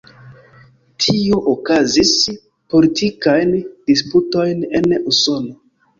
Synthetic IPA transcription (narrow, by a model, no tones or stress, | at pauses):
tʰio̞ʔokazis | po̞litʰikajnd̥isputo̞jnenuso̞no̞